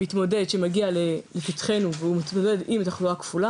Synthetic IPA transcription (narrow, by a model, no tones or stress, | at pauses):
it̪mo̞de̞dʃemaɡialelefit̪χe̞nuveumit̪mode̞dimt̪aχluakfula